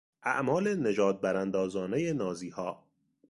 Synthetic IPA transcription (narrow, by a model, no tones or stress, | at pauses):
ʔæ̰ʔmɒːlene̞d͡ʒɒːd̪̚bæɾænd̪ɒːzɒːnejenɒːziːhɒː